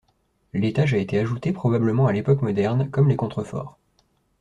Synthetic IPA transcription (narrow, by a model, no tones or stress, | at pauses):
let̪aʒaet̪eaʒut̪epχɔbabləmɑ̃alepɔkmɔd̪ɛʁnkɔmlekɔ̃t̪χəfɔ̰ːʁ